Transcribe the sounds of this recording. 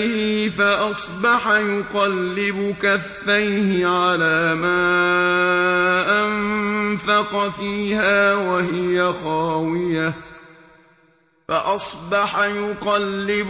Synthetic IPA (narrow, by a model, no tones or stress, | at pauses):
hɪfaʔɑsˤbɑħajʊqɑlːɪbʊkaθːajhɪʕalaːmaː | ʔamfɑqɑfiːhaːwaɦɪjaxɑːwɪja | faʔɑsˤbɑħajʊqɑlːɪb